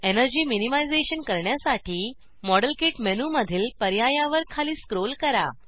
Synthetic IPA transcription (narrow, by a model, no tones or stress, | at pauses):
enəɾd͡ʑiːminimajd͡zeɕənkəɾɳjasaʈiː | mɔɽəlkiʈmenuməd̪ʱiːlpəɾjajaʋəɾkʰaliːskɾolkəɾa̰